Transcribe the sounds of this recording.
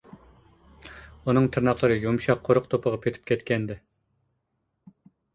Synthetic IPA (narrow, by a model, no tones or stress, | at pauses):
unɨŋt̪ʰɨɾnɑqlˠɨɾɨjomʃɑqʰːoɾʊqt̪ʰopʰəʁɑpʰet̪ʰy̥p̚kʲʰɛt̪kʲɛnd̪ɪ